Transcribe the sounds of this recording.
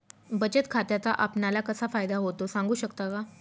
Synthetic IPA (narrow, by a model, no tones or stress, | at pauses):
bət͡ɕət̪kʰat̪jat͡saʔapnalakəsafajd̪aɦot̪osãŋɡuːɕəkt̪aka